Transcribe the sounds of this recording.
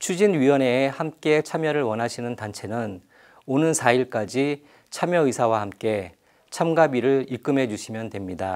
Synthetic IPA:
t͡ɕʰud͡ʑinɥiwʌne̞hamk͈e̞t͡ɕʰamjʌɾɯɭwʌnɦaɕʰinɯntant͡ɕʰe̞nɯn | onɯnsʰaiɭk͈ad͡ʑi | t͡ɕʰamjʌisʰawahamk͈e̞ | t͡ɕʰamɡabiɾɯɭik͈ɯmɦe̞d͡ʑuɕʰimjʌndwe̞mɲida

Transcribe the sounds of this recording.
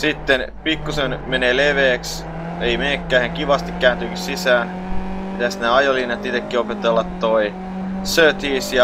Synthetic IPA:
sit̪ːenpikːusenmeneːleʋeːks | eimekːæːheŋkiʋɑst̪ikkæːnt̪yːkissisæːn | pit̪æsneɑjolinɑt̪it̪ekːiopet̪elːɑt̪ːoi | søːt̪iːsjɑ

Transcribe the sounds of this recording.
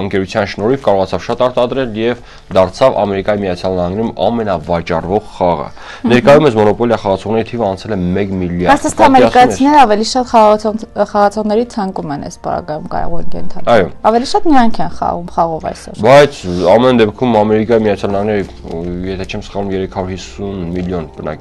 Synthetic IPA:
əŋkɛɾut͡sʰjɑnʃnɔɾifkɑɾɔʁɑt͡sʰɑvʃɑt̪ɑɾt̪ɑd̪ɾɛljɛv | d̪ɑɾt͡sʰɑvɑ̰mɛɾikɑjimijɑt͡sʰjɑlnɑhɑŋɡnɛɾumɑ̰mɛnɑvɑt͡ʃɑrvɔʁχɑʁə̰ | nɛɾkɑjumɛsmɔnɔpɔljɑχɑʁɑt͡sʰɔʁnɛɾit̪ʰivəɑnt͡sʰɛləmɛkmiljɑɾɑsʰəst̪ɑmɛɾiskɑt͡sʰinɛɾəɑvɛliʃɑt̪χɑʁɑχɑʁɑt͡sʰɔʁnɛɾit͡sʰɑŋkumɛnɛ̰spɑ̰ɾɑ̰ɡɑjumkɑ̰j̰ʁuɛ̰lkɛ̰nt̪ʰɑɑjɔɑvɛliʃɑt̪mijɑŋkʰɛnχɑ̰ʁumχɑʁɔvɑ̰jsɔ̰ɾbɑjt͡sʰɑmɛnd̪ɛpkʰumɑmɛɾikɑjimijɑt͡sʰjɑlnɑhɑŋɡnɛɾə | jɛt̪ʰɛt͡ʃʰɛmsə̥χɑnumjɛɾɛkʰɑɾuɾhisːunmiljɔnb̥ənɑ̰

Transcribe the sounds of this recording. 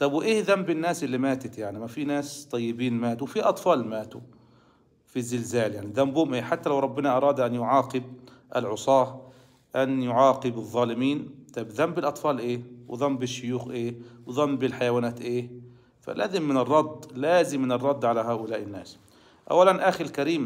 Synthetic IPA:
t̪ˤɑbwʔeːhðambɪnːaːsʔɪlːimaːt̪ɪt̪jaʕnimafiːnaːst̪ˤɑjːɪbiːnmaːt̪uwfiʔɑt̪ˤfɑːlmaːt̪u | fizːɪlzaːljaʕniðambuːmʔeːħat̪ːalawɾˤɑbːɪnɑʔɑɾˤɑːd̪ʔanjʊʕɑːqɨb̚ | ʔɪ̰lʕʊsˤɑːh | ʔanjʊʕɑːqɨbɨðˤːɑːlɪmiːnt̪ˤɑbðambɪlʔɑt̪ˤfɑːlʔeːwɪ̰ðˤɑmːbɪʃːʊjuːxʔeːwɪðˤɑmːbɪlħajawaːnaːt̪ʔeː | fa̰lʔa̰ːzɪmːɪnɨrˤːɑd̪ˤlaːzɪmːɪnɨrˤːɑd̪ˤːʕalaɦaːʔʊlaːʔɪnːaːs | ʔa̰wːalanʔaːxɪɾɪlkaɾiːm

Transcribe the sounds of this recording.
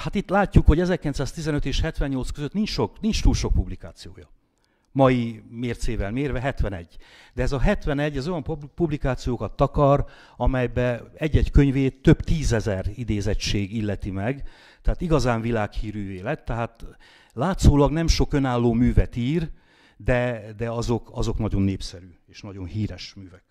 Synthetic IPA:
hat̪it̪laːcːukhoɟɛzɛrkilɛnsaːst̪izɛnøt̪eːʃhɛt̪ʋɛɲɲo̞lt̪skøzøt̪nint͡ʃʃo̞knint͡ʃt̪uːlʃo̞k̚publikaːt̪sijoːjɒ | mɒjimeːrt̪seːvɛlmeːrvɛɦɛt̪ʋɛnɛ̰ɟː | d̪ɛːzɒɦɛt̪ʋɛnɛɟːɛzo̞jɒmppublikaːt̪sijoːkɒt̪ːɒkɒɾ | ɒmɛjbɛɛɟːɛckø̞ɲveːt̪øbt̪iːzɛzɛrid̪eːzɛt͡ʃt͡ʃeːɡilːɛt̪imɛɡ | t̪ɛaːt̪iɡɒzaːɱvilaːkhiːɾyːveːlɛt̪ːɛɦaːt̪ | laːt̪soːlɒɡnɛmʃo̞kø̞naːlːoːmyːvɛt̪iːr | d̪ɛd̪ɛɒzo̞kɒzo̞knɒɟo̞nːeːpsɛɾyːeːʃnɒɟo̞nhiːɾɛʃmyːvɛk̚

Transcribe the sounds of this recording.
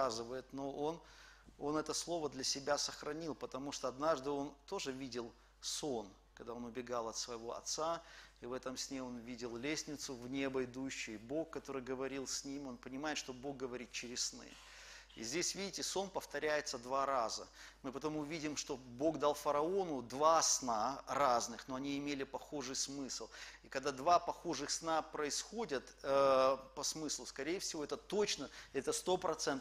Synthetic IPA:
azɨvəjɪt̪no̞ʔo̞n | o̞nɛt̪əslˠo̞vəd̪lʲɐsʲɪbʲasəxɾɐnʲilˠpət̪ɐmuʂt̪oɐd̪naʐd̪ɨo̞nt̪o̞ʐɨvʲidʲɪlˠ | so̞nkkɐɡd̪ao̞nʊbʲɪɡalˠɐt̪svəjɪvo̞ɐ̰t̪saivɛt̪əmsʲnʲeo̞nvʲidʲɪlˠlʲesʲnʲɪt̪sʊvnʲebɐɪd̪uɕːʊbo̞kːɐt̪o̞ɾɨjɡəvɐɾʲilˠsʲnʲimʲo̞npənʲɪmajɪt̪ʂt̪obo̞ɡɡəvɐɾʲit̪̚t͡ɕɪɾʲɪsnɨ̰j | ḭzʲdʲesʲvʲidʲɪtʲɪso̞npəft̪ɐɾʲæjɪt̪səd̪vaɾazə̰mɨpɐt̪omuvʲidʲɪmʂt̪o̞bo̞ɡd̪alˠfəɾɐo̞nʊd̪vasnaraznɨxno̞ɐnʲiɪmʲelʲɪpɐxo̞ʐɨjsmɨslˠikɐɡ̚d̪ad̪vapɐxo̞ʐɨxsnapɾəɪsxodʲət̪əpɐsmɨslˠʊskɐɾʲejɪfsʲɪvo̞ɛt̪ət̪o̞t͡ɕnəɛt̪əst̪o̞pɾɐt̪sɛnt̪

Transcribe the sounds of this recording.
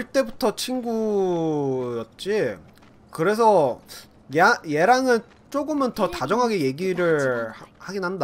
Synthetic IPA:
ɭt͈e̞butʰʌt͡ɕʰinɡu | jʌt̚t͡ɕ͈i | kɯɾe̞s̬ʰʌ | jajeɾaŋɯn | t͡ɕ͈oɡɯmɯntʌtad͡ʑʌŋɦaɡe̞je̞ɡiɾɯɭhaɡinɦanda

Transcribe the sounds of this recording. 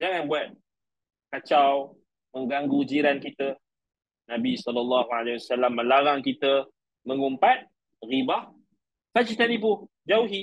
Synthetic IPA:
d͡ʒaŋanbuat̪̚ | kat͡ʃaw | məŋɡaŋɡud͡ʒiɾankit̪ə | nãbisɔlɔlːaɦualewasalamːə̃laɾaŋkit̪ə | mə̃ŋumpat̪̚ | ɣibah | fad͡ʒit̪adip̬u | d͡ʒauɦi

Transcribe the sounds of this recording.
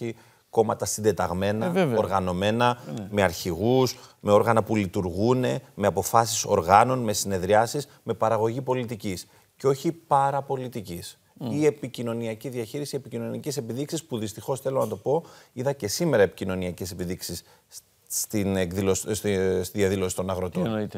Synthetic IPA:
i | ko̞mɐt̪ɐsind̪e̞t̪ɐɣme̞nɐoɾɣɐno̞me̞nɐme̞ɐɾçiɣusme̞o̞ɾɣɐnɐpulit̪uɾɣune̞me̞ɐpo̞fɐsi̥so̞̰ɾɣɐno̞nme̞sine̞ðɾiɐsiz | me̞pɐɾɐɣo̞ʝipo̞lit̪icis | ceo̞çipɐɾɐpo̞lit̪icis | ie̞picino̞niɐciðiɐçiɾisie̞picino̞niɐcese̞piðiksispuðist̪ixo̞sθe̞lo̞nɐt̪o̞po̞iðɐce̞sime̞ɾɐepicino̞niɐcese̞piðiksis | t̪inekðilosst̪iðijɐðilo̞si̥t̪o̞nɐɣɾo̞t̪on

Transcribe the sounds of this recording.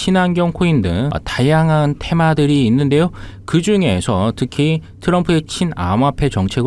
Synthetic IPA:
ɕʰinanɡjʌŋkʰoindɯ̰ŋ̰tajaŋɦantʰe̞madɯɾiːnːɯnde̞jokɯd͡ʑuŋe̞sʰʌtɯkʰi | tʰɯɾʌmpʰuet͡ɕʰina̰mapʰe̞t͡ɕʌŋt͡ɕʰe̞ɡ

